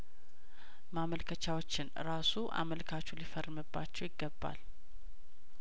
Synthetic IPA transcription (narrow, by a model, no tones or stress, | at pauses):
maməlkʰət͡ʃawot͡ʃːɪnɾasuʔa̰məlkʰat͡ʃːulifərːmɨbːat͡ʃːɛwjɪɡːəbːa̰l